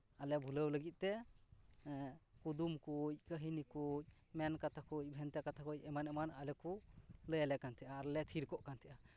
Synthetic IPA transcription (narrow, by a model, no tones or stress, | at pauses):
alɛbʱuləwləɡit̪̚t̪ɛ | kud̪umkuc̚kəɦinikuc̚ | mɛnkat̪ʰakuc̚ˀbʱɛnt̪ɛkat̪ʰakuc̚ɛmanɛmanalɛkuləjalɛkant̪ʰɛʔaːɾlɛt̪ʰiɾkɔʔkant̪ʰɛʔa